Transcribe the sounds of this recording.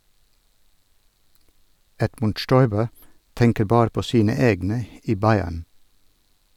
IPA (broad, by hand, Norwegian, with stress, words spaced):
ˈɛdmʉnd ˈʃtɔʏbə ˈtɛŋkəɾ ˈbɑːɾ ˈpoː ˈsiːnə ˈeːɡnə ˈiː ˈbɑɪæɳ